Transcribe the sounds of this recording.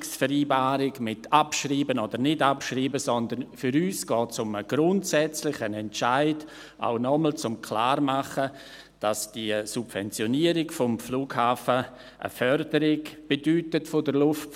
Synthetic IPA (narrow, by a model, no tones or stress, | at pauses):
ksfəɾiːbaːɾɪɡmɪtʰapʃriːbənoːdəɾnɪdapʃriːbəsɔndənfʏɾyːsɡ̥ɔːtsʊməɡ̥ɾʊntsɛt͡slɪçənɛnt͡ʃaɪd | ʔa̰ʊnɔməl̩t͡sʊmkʰlaːrmaχə | d̥asd̥iəsub̥v̥ɛnt͡sjɔniəɾɪɡfɔmfluːɡhaːfə | ʔə̰fœrdəɾɪɡb̥edyːtətfodəlʊft